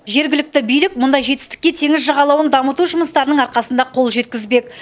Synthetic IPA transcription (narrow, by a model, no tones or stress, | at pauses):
ʒe̞ɾɡʲɪlɪk̚t̪ɪbijlɪk̚mʊnd̪ɑjʒe̞t̪ɪ̥st̪ɪ̥kʲːe̞t̪ʰe̞ŋɪzʒɑʁɑlˠɑwənd̪ɑmət̪uʒʊməst̪ɑɾənəɴɑɾqɑsənd̪ɑqʰo̞lˠʒe̞t̪̚kʲɪzbe̞k